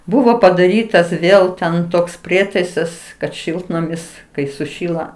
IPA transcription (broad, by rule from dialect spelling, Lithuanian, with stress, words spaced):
ˈbʊʋoː pɐdɐˈrʲiːtɐs ˈʋʲeːlˠ tʲɛn ˈtoːks ˈpʲrʲiɛtɐɪsɐs kɐt ˈʃʲɪlˠtnɐmʲɪs ˈkɐɪ sʊˈʃʲiːlˠɐ